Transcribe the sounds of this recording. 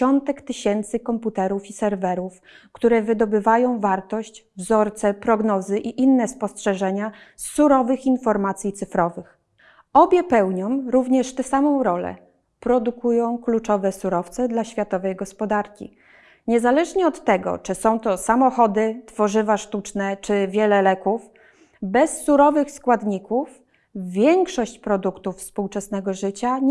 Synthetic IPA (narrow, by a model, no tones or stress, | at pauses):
ɔnt̪ɛkt̪ɘɕɛnt̪sɘkɔmput̪ɛɾufisɛɾvɛɾuf | kt̪uɾɛvɘd̪ɔbɘvajɔ̃w̃vaɾt̪ɔɕt͡ɕ | vzɔɾt̪sɛpɾɔɡnɔzɘʔiʔinːɛspɔstʂɛʐɛɲasːuɾɔvɘxinfɔɾmat̪sʲjit̪sɘfɾɔvɘx | ɔbʲjɛpɛwɲɔmɾuvɲɛʂt̪ɛsamɔ̃w̃ɾɔlɛ̰ | pɾɔd̪ukujɔ̃w̃klut͡ʂɔvɛsuɾɔft̪sɛd̪laɕfʲjat̪ɔvɛjɡɔspɔd̪aɾkʲḭ | ɲɛzalɛʐɲɛɔt̪ːɛɡɔ̰t͡ʂɘsɔ̃w̃t̪ɔsamɔxɔd̪ɘt̪fɔʐɘvaʂt̪ut͡ʂnɛt͡ʂɘvʲjɛlɛlɛkuf | bɛsːuɾɔvɘxskwad̪ɲikuf | vːʲjɛŋkʂɔɕt͡ɕpɾɔd̪ukt̪ufspuwt͡ʂɛsn̪ɛɡɔʐɘt͡ɕa